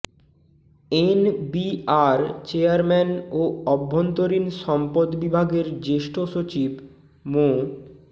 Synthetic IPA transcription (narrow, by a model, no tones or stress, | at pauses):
enbiaɾt͡ɕeaɾmɛnoɔbʱːont̪oɾinʃɔmpod̪bibʱaɡeɾd͡ʑeʃʈʰoʃot͡ɕib | mo